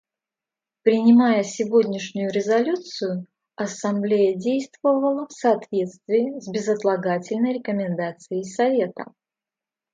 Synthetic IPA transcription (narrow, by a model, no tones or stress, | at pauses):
pɾʲɪnʲɪmajəsʲɪvodʲnʲɪʂnʲʊjʊɾʲɪzɐlʲut̪sɨjʊ | ɐsɐmblʲejədʲejst̪vəvəlˠəfsɐːt̪vʲe̞t̪st̪vʲiːzʲbʲɪzət̪lˠɐɡatʲɪlʲnəjɾʲɪkəmʲɪnd̪at̪sɨjɪjsɐvʲe̞t̪ə̰